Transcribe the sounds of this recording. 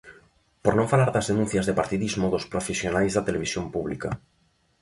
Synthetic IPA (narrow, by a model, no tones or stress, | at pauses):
poɾnõɱfalaɾðazðenũn̟θjazðepaɾt̪iðizmoðospɾofesjonajzðat̪eleβisjompuβ̞lika